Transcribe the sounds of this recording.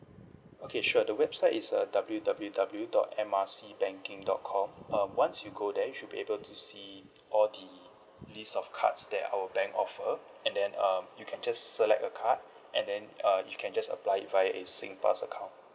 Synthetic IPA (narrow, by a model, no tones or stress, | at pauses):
okʰeʃuədəwɛb̥saɪtisədabəl̩judabəljudabəljudɔ̰tɛ̃masibɛ̃ŋkĩŋdɔ̰t̚kʰɔ̃mʌ̃mwãnsjuɡodɛjuʃud̚biʔebəltʰusi | ʔɔldə | listɔfkʰa̰tsdɛta̰ʊwəbɛ̃ŋkɔfə | ɛ̃ndɛ̃nʌmjukʰɛ̃nd͡ʒasːəlɛ̰k̚təkʰat̚ | ʔɛ̰̃ndɛ̃nʌjukʰɛ̃nd͡ʒasə̰plaɪɪt̚vajəʔesḭ̃ŋpa̰səkʰãʊ̃nt